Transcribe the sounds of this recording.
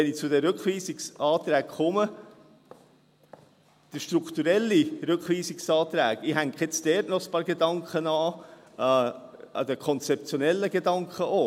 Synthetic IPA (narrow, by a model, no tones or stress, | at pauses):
ʋɛnit͡sʊd̪ɛɾɵkχʋiːsiksɑːt̪ɾæːkχɔmə | d̥əʃt̪ɾukχt̪uɾɛlːiɾʏkχʋiːsɪksɑːt̪ɾæ̰ːɡɪɦæŋkχjɛt͡sdɛːɾtnɔəspɑːɾɡedɑŋkχənɑː | ɑ̰d̪əkʰɔnt͡sɛp̚t͡sjonɛlːəɡedɑŋkχəʔoː